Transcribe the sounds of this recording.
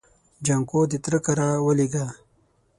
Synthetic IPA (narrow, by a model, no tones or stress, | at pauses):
d͡ʒaŋkod̪it̪ɾəkaɾawəliɡa